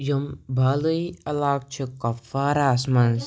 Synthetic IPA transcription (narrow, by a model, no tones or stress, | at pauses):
jumbʱaːluiɐlaːk̚t͡ʃʰikɐfaːɾaːsmɐns